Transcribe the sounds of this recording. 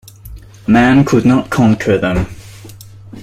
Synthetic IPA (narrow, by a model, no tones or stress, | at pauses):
mæ̃nkʰudⁿnət̚kʰɔ̃nkʰə˞ðə̃m